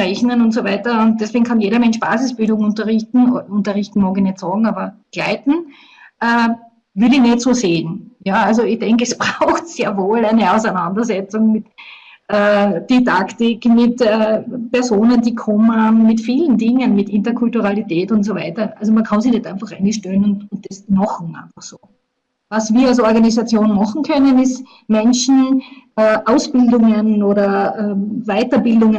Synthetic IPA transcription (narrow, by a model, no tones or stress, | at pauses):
ʁɛçnənʊntsovæɪtɐʊnt̚d̥ɛsveːɡŋ̩kʰɑnjeːɾɐmɛnʃb̥a̰ːzɪsb̥ɪldʊŋʊntɐʁɪçtn̩oʊntɐʁɪçtn̩mɑːɡɪçnɛtsɑːɡŋ̩aːbɐɡ̥laɪtn̩ | ʔɛː | vɪlɪçnɛtsoːseːnjaalz̬oɪçd̥ɛŋkəɛsb̥ʁaʊxtseːɐvoːlæɪnəɑʊsænãndɐsɛt͡sʊŋmɪt | ʔɛːd̥idaktɪkmɪtɛːpɛɐzoːnəndiːkʰɔmnhammmɪtfiːlən̩dɪŋənmɪtɪntɐkʰʊltuʁalitɛːtʊnts̬ovaɪtɐʔalzomɐnkʰɑnziçnɛtæ̃ɪnfɑχɛɪnɪçʃtøːnʊntʊnt̚d̥ɛsmɑχŋ̩æ̰ɪnfɑχsoː | vasv̥iːɐalsɔɐɡanizat͡sjoːnmɑχŋ̩kʰœnənɪst | mɛnʃn̩ʔɛːʔaʊsb̥ɪldʊŋənoːɾɐɛːvaɪtɐbɪldʊŋ